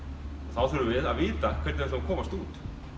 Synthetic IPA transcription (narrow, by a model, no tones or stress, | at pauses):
ɔθawθɛɾʏvɪðaðviːt̪akʰvɛɾt̪ːsakʰɔːmast̪uːt̪